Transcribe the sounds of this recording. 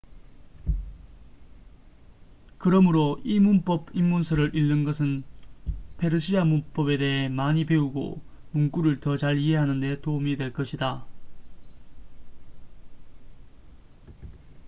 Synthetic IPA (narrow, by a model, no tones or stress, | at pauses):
kɯɾʌmɯɾoimunp͈ʌbimːunsʰʌɾɯɾʔiɭːɯnɡʌsʰɯn | pʰe̞ɾɯɕʰiamunp͈ʌbe̞de̞ɦe̞maɲipe̞uɡo̰ | munk͈uɾɯɭtʌt͡ɕaɾiɦe̞ɦanɯnde̞toumidwe̞ɭk͈ʌɕʰida